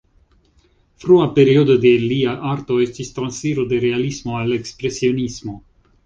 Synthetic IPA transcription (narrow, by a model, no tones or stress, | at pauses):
fɾuapeɾiod̪od̪eliaʔart̪oest̪ist̪ɾansfiɾod̪eɾealismoalekspɾesionismo